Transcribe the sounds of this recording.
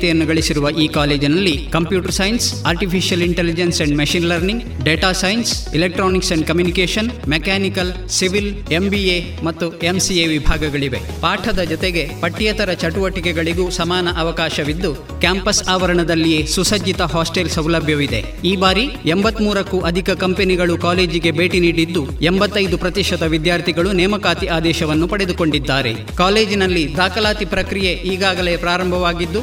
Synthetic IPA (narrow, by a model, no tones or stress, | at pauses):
t̪ɛjɐnːuɡɐɭisiɾuʋɐʔiːkaːle̞ːd͡ʒinɐlːikɐmpjuːʈɐɾsɐːjnsaːɾʈipʰiʃijɐliɳʈelid͡ʒensɐɳɖmɐʃiːnlɐɾniŋɡ | ɖeːʈaːsɐjnsilek̚ʈɾoːniksɐɳɖ̚kɐmjunikeːʃɐnmekaːnikɐl | siʋil | embie | mɐt̪ːuemsieːʋibʱaːɡɐɡɐɭiʋe̞̰ | paːʈʰɐd̪ɐd͡ʒɔt̪eɡe̞pɐʈːijɐt̪ɐɾɐt͡ʃɐʈuʋɐʈikɛɡɐɭiɡuːsɐmaːnɐʔɐʋɐkaːʃɐʋid̪ːu | kjaːmpɐsaːʋɐɾɐɳɐd̪ɐlːije̞ːsusɐd͡ʒit̪ɐɦaːsʈelsɐwlɐbʱjɐʋid̪e̞̰ | iːbaːɾiembɐt̪ːmuːɾɐkːuʔɐd̪ʱikɐkɐmpeniɡɐɭukaːle̞ːd͡ʒiɡe̞be̞ːʈiniːɽid̪ːuembɐt̪ːɐjd̪upɾɐt̪iʃɐd̪ɐʋid̪jaːɾt̪ʰiɡɐɭunɛːmɐkaːt̪iʔaːd̪ɛːʃɐʋɐnːupɐɽed̪uko̞ɳɖid̪ːaːɾe̞̰ | kaːleːd͡ʒinɐlːid̪aːkɐlaːt̪ipɾɐkɾije̞ʔiːɡaːɡɐle̞ːpɾaːɾɐmbʱɐʋaːɡid̪ːu